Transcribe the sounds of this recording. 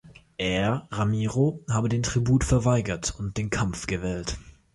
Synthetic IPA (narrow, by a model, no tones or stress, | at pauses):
ʔeːɐɐʁamiːʁohaːbədeːntʁ̥ibuːtfɛɐvaɪɡɐtʊnt̚d̥eːnkʰamfɡ̥əvɛːlt